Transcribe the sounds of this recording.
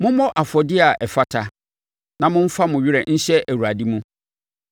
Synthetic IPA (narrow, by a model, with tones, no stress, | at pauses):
mʊ̃˦mɔ̃˦ʔa˨fɔ˨dɪ˦a˨ʔɛ˨fa˦tʰa˨ | nã˨mʊ̃˦m̩˦fa˦mʊ̃˨ɥɪ˦ɾɛ˨n̩˦ɕɛ˦ʔæ˨wa˨di˦mũ˦